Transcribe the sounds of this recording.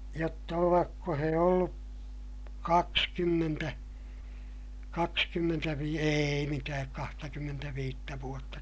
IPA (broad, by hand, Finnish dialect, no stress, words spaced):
jotːɑ oʋɑkːo he olːu kɑkskymːentæ kɑkskymːentæʋiː eːi mitæːk kɑhtɑkymːentæʋiːtːæ ʋuotːɑ